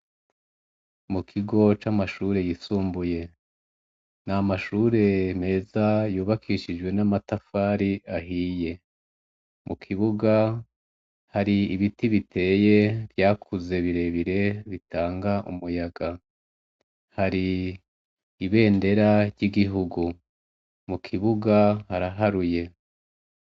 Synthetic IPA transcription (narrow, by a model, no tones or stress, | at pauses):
mukʰiɡo̞t͡ʃamaʃuɾe̞jisuːmbuje̞ | namaʃuːɾe̞me̞ːzajuːβakʰiʃid͡ʒɡwe̞namatafaːɾiaɦiːje̞ | mʔukʰiβuɡa | haɾiːβitiβitʰe̞ːje̞bjaːkʰuze̞βiɾe̞βiɾe̞βitaːŋɡaʔṵmujaɡa | haɾi | βe̞ːnde̞ɾaɾɟiɡiɦuɡu | mukʰiβuɡahaɾaɦaɾuje̞